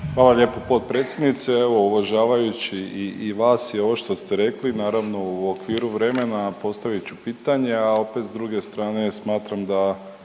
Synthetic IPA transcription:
xʋaːlaʎe̞ːpopo̞t̪̚pɾe̞ːt̪sʲje̞d̪nit̪seeʋo̞uʋaʒaːʋajut͡ɕiiiʋaːsjio̞ʋoʃt̪o̞st̪eɾe̞klinaːɾaʋno̞uokʋiːɾuʋɾe̞me̞napo̞st̪aʋit͡ʃupiːt̪aɲe̞ao̞pe̞t̪zd̪ɾuɡe̞st̪ɾaːne̞smaːt̪ɾamd̪a

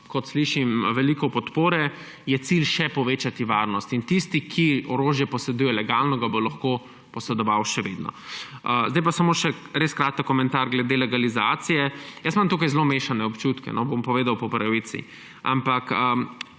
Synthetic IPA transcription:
kɔt̪sliʃimʋɛlikɔpɔt̪poːɾɛ | jɛt̪silʃɛpɔʋeːt͡ʃat̪iʋaːɾnɔst̪int̪ist̪ikʰiɔɾoːʒjɛpɔsɛd̪uːjɛlɛɡalnɔɡabolaxko | pɔsɛd̪ɔʋawʃɛʋḛd̪nɔ̰əzd̪ajpasɐmoʃɛɾeskɾaːt̪əkːɔmɛ̃nt̪aɾɡlɛd̪elɛɡalizaːt̪sijɛjəsmamt̪uːkajzlomeːʃanɛɔpt͡ʃuːt̪kɛ̰nɔbompɔʋeːd̪awpɔpɾɐʋit̪sḭ | a̰mpakə

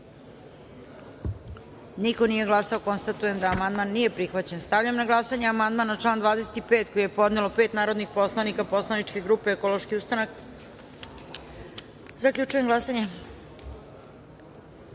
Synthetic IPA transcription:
niko̞nije̞ɡlˠasao̞ko̞nst̪at̪uje̞md̪aːmand̪manːije̞pɾixʋat͡ɕenst̪aʋʎamnaɡlˠasaɲeamand̪manat͡ʂlˠaːnd̪vʋaːd̪e̞se̞̥t̪ipeːt̪ko̞jeepo̞d̪ne̞lo̞pe̞ːt̪naːɾo̞d̪nixpo̞slˠanikaposlˠaniʈ͡ʂke̞ɡɾuːpe̞ekolo̞ʃkiust̪anak | zakʎʲut͡ʂujemɡlˠasaɲe

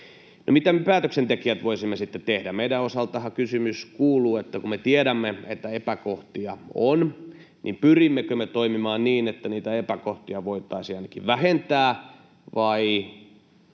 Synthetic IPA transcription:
no̰mit̪æmepæːt̪øksent̪ekiæt̪ʋoisimːesit̪ːet̪ehdæmeiɾæosɑlt̪ɑhɑkysymyskuːluːet̪ːækumet̪ieɾæmːeet̪ːæepækoht̪iɑon | nʔimpyrimːekømet̪oimimɑːnniːnet̪ːæniːt̪æepækoht̪iɑʋoit̪ɑisiɑinɑkiʋʋæhent̪æː | ʋɑi

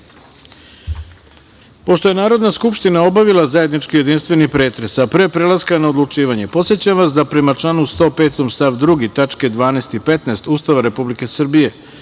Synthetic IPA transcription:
po̞ʃt̪o̞je̞naːɾo̞d̪naskupʃt̪inao̞baʋilˠazaje̞d̪nit͡ʃkije̞d̪inst̪ʋe̞nipɾe̞ːt̪ɾe̞sapɾepɾe̞lˠaskanao̞d̪lˠut͡ʃiːʋaɲe̞po̞t̪sjet͡ɕamʋasd̪apɾe̞mat͡ʂlˠanust̪o̞ːpe̞ːt̪omst̪aʋd̪ɾuɡit̪at͡ʂke̞d̪ʋaːnest̪ipe̞t̪nest̪uːst̪aʋaɾe̞publike̞sr̩bije̞

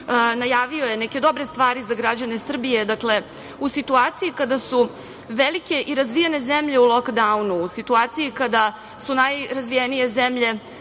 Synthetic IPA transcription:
najaːʋio̞jenɛked̪o̞bɾe̞st̪ʋaːɾizaɡɾad͡ʑanesr̩bije̞d̪akle̞ | usit̪uaːt̪sijikad̪asu | ʋelike̞ʔiɾazʋijene̞zemʎe̞ulˠo̞kd̪aunuːsit̪uaːt̪sijikad̪a | sunajɾazʋijenije̞zemʎe̞

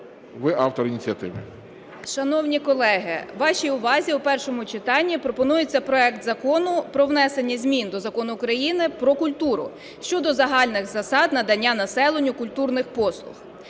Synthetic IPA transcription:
ʋɪʔɑwt̪ɔɾinʲit͡sʲɐt̪ɪʋɪ | ʃɐnɔwnʲikɔlˠɛɦɪ̰ʋɑʃʲijʊʋɑzʲiwpɛrʃɔmʊt͡ʃɪt̪ɑnʲːipɾɔpɔnujet͡sʲːɐpɾɔɛkt̪zɐkɔnʊpɾɔʋnɛsenʲːɐzʲmʲind̪ɔzɐkɔnʊːkɾɐjinɪpɾɔkʊlʲt̪uɾʊ̰ | ʃt͡ʃɔd̪ɔzɐɦɑlʲnɪɣzɐsɑd̪nɐd̪ɐnʲːanɐsɛlˠenʲːʊkʊlʲt̪urnɪxpɔslˠʊ̰x

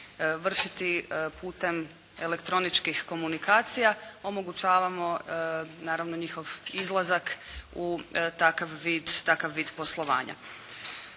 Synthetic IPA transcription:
ʋr̩ʃit̪ipuːt̪e̞m | e̞le̞kt̪ɾo̞nit͡ʃkixko̞munikaːt̪sijao̞mo̞ɡut͡ʃaːʋamo̞naːɾaʋno̞ɲixo̞ʋizlˠazakut̪akaʋːiːd̪t̪akaʋːiːd̪po̞slˠo̞ʋa̰ːɲa̰

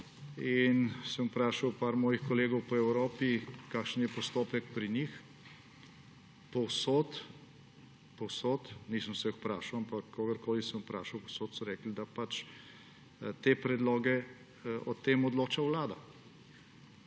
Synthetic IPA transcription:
insəmupɾaːʃawpaːɾmɔːjixkɔleːɡɔwpɔɛwɾoːpikaːkʃənjɛpɔst̪oːpɛk̚pɾinix | pɔwsoːt̪ | pɔwsoːt̪niːsəmsɛjɔxpɾaːʃawampakːoːɡəɾkoːlisəmʊpɾa̰ːʃɐwpɔwsoːt̪sɔɾɛːkld̪apat͡ʃ | t̪eːpɾɛd̪lɔːɡɛ | ɔt̪emɔd̪loːt͡ʃawlaːd̪a

